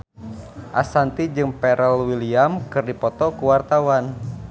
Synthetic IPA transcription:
ʔasant̪id͡ʒɨŋpɛɾʔəlwiliamkɨrdipɔt̪ɔkuwart̪awan

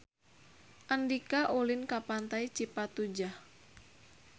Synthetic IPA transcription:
ʔandikaʔulinkapant̪ait͡ʃipat̪ud͡ʒah

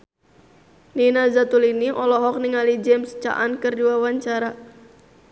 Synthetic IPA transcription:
ninazat̪uliniʔɔlɔɦɔk̚niŋalid͡ʒɛmst͡ʃa̰ʔankɨrduwawaɲt͡ʃaɾa

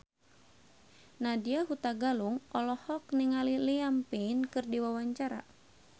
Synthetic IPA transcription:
nadiaɦut̪aɡaluŋʔɔlɔhɔk̚niŋaliliampinkɨrdiwawaɲt͡ʃaɾa̰

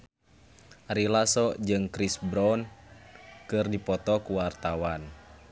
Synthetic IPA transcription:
ɾilasɔd͡ʒɨŋkɾisbɾɔn | kɨrdipɔt̪ɔkuwart̪awan

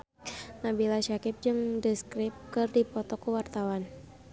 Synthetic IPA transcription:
nabilaʃakɪp̚d͡ʒɨŋdəskɾɪp̚kɨrdipɔt̪ɔkəwart̪awan

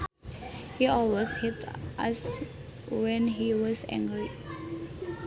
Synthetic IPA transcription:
hiɔlweshɛtʔa̰s | wɛ̃nɦiwɔzɛ̰̃ŋɡɾi

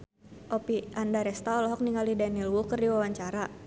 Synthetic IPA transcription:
ʔɔpiʔandaɾɛst̪aɔlɔɦɔk̚niŋalidanilwukərdiwawaɲt͡ʃaɾa

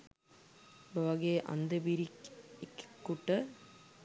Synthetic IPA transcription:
bəʋɐɡeːʔa̰nd̪əbiɾikekːkːuʈə

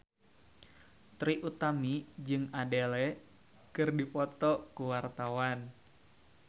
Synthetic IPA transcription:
t̪ɾiʔut̪amid͡ʒɨŋadelɛ | kɨrdipɔt̪ɔkuwart̪awan

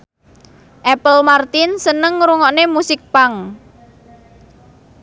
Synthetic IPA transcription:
ʔɛpəlmart̪ɪnsənəŋːɾuŋɔʔnemusɪk̚paŋ

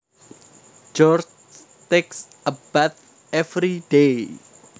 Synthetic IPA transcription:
d͡ʒɔr | t̪eks | əb̥at̪̚ | ɛfɾiɖ̥e

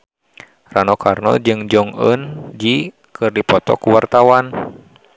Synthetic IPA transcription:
ranɔkʰarnɔ̰d͡ʒɨŋd͡ʒɔŋənd͡ʒi | kʰɨrdipɔt̪ɔ̰kuwart̪awan

